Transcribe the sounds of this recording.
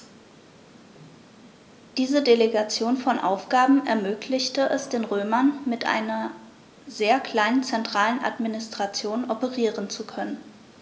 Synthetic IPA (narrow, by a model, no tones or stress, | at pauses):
d̥iːzədeleɡat͡sjoːnfɔnʔa̰ʊfɡ̥aːbm̩ɛɐmøːkʰlɪçtəʔɛsd̥eːnʁøːmɐnmɪtʔa̰ɪnɐ | zeːɐkʰl̥aɪnənt͡sɛntʁ̥aːlənʔa̰tminɪstʁ̥at͡sjoːnɔpəʁiːʁənt͡sukʰœnən